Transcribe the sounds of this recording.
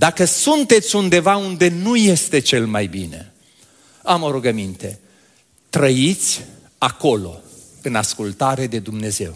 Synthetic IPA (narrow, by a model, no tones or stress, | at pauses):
d̪akəsunt̪e̞t̪sʲund̪e̞vaund̪e̞nuje̞st̪e̞t͡ʃe̞lmajbinḛ | amoɾuɡəmint̪e̞ | t̪ɾəit̪sʲ | ako̞lo̞̰ | ɨnaskult̪aɾe̞d̪e̞d̪umne̞ze̞̰w